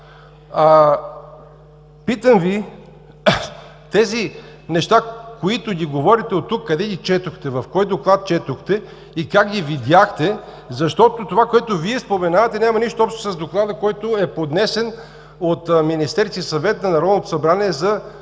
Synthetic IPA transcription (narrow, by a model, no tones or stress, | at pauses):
a | pit̪əmvi | t̪ɛzi | nɛʃt̪akoit̪ʊɡʲiɡovɔɾit̪ɛot̪ːukːɐd̪ɛɡ̪ʲit͡ʃɛt̪oxt̪ɛvɐfkɔjd̪oklˠat̪̚t͡ʃɛt̪ʊxt̪ɛ | ikakɡ̪ʲivid̪ʲaxt̪ɛ | zɐʃt̪ɔt̪ot̪ovakoɛt̪ʊviɛspomɛnavət̪ɛnʲamɐniʃt̪oɔpʃt̪o̥sɐzd̪oklˠad̪əkɔjt̪oɛpod̪nɛsɛn | ot̪minist̪ɛɾt̪isɐvɛt̪nɐnɐɾɔd̪not̪o̥sɐbɾaniɛzɐ